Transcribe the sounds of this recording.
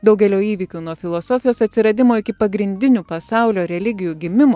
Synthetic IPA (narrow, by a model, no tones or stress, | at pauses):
d̪ɐʊɡʲɛlʲoːiːʋʲiːkʲuːnuɔfʲɪlˠosɔfʲɪjoːsɐt̪ʲsʲɪɾɐd̪ʲɪmoːɪkʲɪpɐɡɾʲɪnʲd̪ʲɪnʲuːpɐsɑˑʊlʲoːɾʲɛlʲɪɡʲɪjuːɡʲɪmʲɪmoː